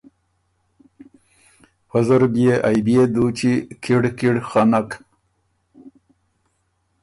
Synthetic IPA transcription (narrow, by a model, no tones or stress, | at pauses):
pazəɾbjeʔajbjed̪ut͡ʃikiɽkiɽxanak